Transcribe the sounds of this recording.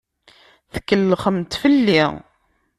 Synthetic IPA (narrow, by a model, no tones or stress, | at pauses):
θə̥kːəlːχəmt̪fəlːi